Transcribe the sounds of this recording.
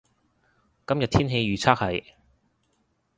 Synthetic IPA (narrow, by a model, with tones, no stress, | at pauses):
kɐ˥mjɐ˨t̚t̪ʰiː˥nɦe˧jɥyː˨t͡sʰaː˥k̚hɐ˨˥˩j